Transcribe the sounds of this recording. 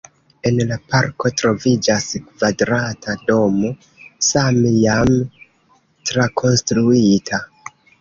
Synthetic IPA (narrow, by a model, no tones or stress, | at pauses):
e̞nlapaɾko̞tɾo̞vid͡ʒaskv̥adɾatʰado̞mo̞ | samejam | tɾakʰo̞nstɾuitʰa